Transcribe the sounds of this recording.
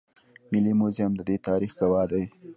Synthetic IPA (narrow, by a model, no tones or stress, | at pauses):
mɪlimozamd̪əd̪et̪ɑɾixɡawɑd̪aj